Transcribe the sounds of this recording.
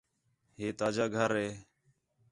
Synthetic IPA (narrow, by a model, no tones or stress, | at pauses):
ɦeːt̪aːd͡ʒaːɡʱəɾɦeː